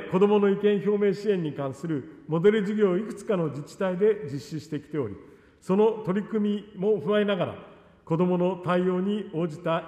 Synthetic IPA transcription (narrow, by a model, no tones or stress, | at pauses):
ko̞d̪o̞mo̞no̞ikẽ̞ɰ̃ço̞ːme̞ːɕiẽ̞ɲ̟ːikãɰ̃sɨɾɯ̟mo̞d̪e̞ɾɯ̟ʑiɡʲo̞ːikɯ̟̥t͡sɨ̥kano̞d͡ʑit͡ɕi̥t̪aid̪e̞d͡ʑiɕːiɕi̥t̪e̞kʲi̥t̪e̞o̞̰ɾʲḭ | so̞not̪o̞ɾʲikɯ̟mʲimo̞ɸɯ̟βainaɡaɾa̰ | ko̞d̪o̞mo̞no̞t̪aijo̞ːɲ̟io̞ːd͡ʑit̪a